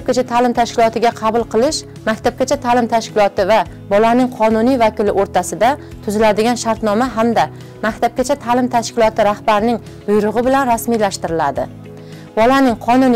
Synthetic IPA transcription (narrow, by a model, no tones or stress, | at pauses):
p̚kʲat͡ʃʰat̪ʰalɪmt̪ʰaʃkʲɪlˠɒt̪ɪɡʲaqʰɑbʊlˠqʰɨlˠɪʃ | makʲt̪ʰap̚kʲat͡ʃʰat̪ʰalɪmt̪ʰaʃkʲɪlˠɒt̪ɪva | bɒlanɪŋqʰɒnʊnijvakʲɪlɪʔoɾt̪ʰasɪd̪a | t̪ʰʊzɪlad̪ɪɡʲanʃaɾt̪nɒmaɦamd̪a | makʲt̪ʰap̚kʲat͡ʃʰat̪ʰalɪmt̪ʰaʃkʲɪlˠɒt̪ʰɪɾahbaɾnɪŋ | bʊjɾʊʁɨbɪlanɾasmijlaʃt̪ɪɾɪlad̪ɪ | bɒlanɪŋqʰɒnʊn